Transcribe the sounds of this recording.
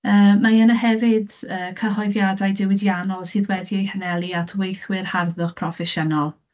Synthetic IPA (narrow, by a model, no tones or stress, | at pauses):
əːmajənəɦɛvɪdəːkʰəɦɔjðjadajdɪwɪdjanɔlˠsiːðwɛdiejhənɛlˠiatʰwejθwɪrharðʊχpʰrɔfɛʃənɔlˠ